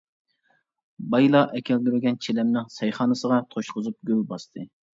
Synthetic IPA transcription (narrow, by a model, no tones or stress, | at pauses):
bɑjlˠɑʔɛkʲʰɛlɡ̪ʲyɾɪɡʲɛnt͡ʃʰelɛmnɪŋsɛjχɑːnɨsəʁɑt̪ʰoʃqʊzup̚ɡʲølbɑst̪ʰɨ